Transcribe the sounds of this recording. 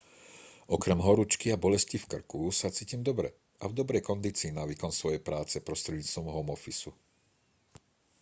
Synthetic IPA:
ʔɔkɾɛmɦɔɾut͡ʃkiabɔlɛscifkr̩kusat͡siːcimd̪ɔbɾɛ̰ | avd̪ɔbɾɛjkɔnd̪iːt͡siːnaʋiːkɔnsʋɔjɛjpɾaːt͡sɛpɾɔst̪ɾɛd̪ɲiːt͡st̪ʋɔmɦɔmɔfisu

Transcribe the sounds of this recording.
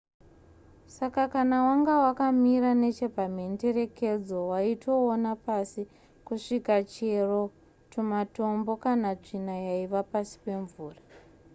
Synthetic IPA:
sakakanawaŋɡawakamiɾane̞t͡ʃe̞bʱamende̞re̞ke̞d͡zo̞waitʰo̞ːnapasi | kuʂikat͡ʃero | tumato̞mbo̞kanad͡ʐinajaiʋapasi̥pe̞ɱvuːra

